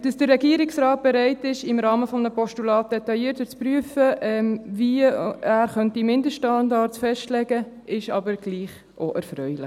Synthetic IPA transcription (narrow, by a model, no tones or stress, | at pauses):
d̥ɑsd̥ərːɛɡiəɾɪksɾɑːt̚b̥ɛɾɛɪtɪʃɪmɾɑːməfɔmnəpɔʃtulɑːt̚d̥ɛtɑjiːəɾtət͡spɾyəfəʔɛmviæːɾχœntimɪndəsʃtɑndɑɾtsfɛʃtlɛɡə | ɪʃɑbəɾɡ̥liːχ | ʔoʔæɾfɾœʏlɪ̰